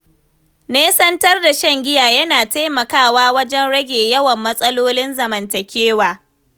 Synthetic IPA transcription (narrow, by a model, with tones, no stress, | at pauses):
neː˦sɐ˦ntɐ˦rda˨ʃɐ˦ŋɡʲɪ˦jaː˨jɐ˦naː˨ta˦jmɐ˨kaː˦waː˦wɐ˦d͡ʒɛ˦nɽɐ˦ɡʲeː˨jɐ˦wɐ˨mːɐ˦sʼɐ˦loː˦lɪ˦nzɐ˨mɐ˨ntɐ˨kʲeː˦waː˨